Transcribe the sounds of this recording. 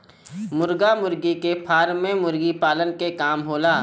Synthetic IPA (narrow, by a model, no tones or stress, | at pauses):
mʊɾɡamʊɾɡikepʰaːɾmẽmʊɾɡipaːlənkekaːmɦoːlaː